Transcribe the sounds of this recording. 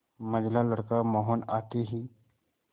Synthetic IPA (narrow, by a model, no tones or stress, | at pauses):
mɐd͡ʒlaləɽkamɔːɦɔnaːt̪iɦiː